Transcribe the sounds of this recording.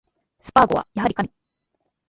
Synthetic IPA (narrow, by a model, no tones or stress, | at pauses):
sɨ̥paɡo̞̰a̰jaɦaɾʲikaɲʲi